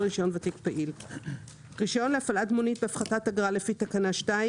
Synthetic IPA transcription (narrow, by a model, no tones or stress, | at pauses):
ʁiʃo̞nvatikpaʔil | ʁiʃajo̞nleafaladmonit̚beafχatataɡʁalefitakanaʃta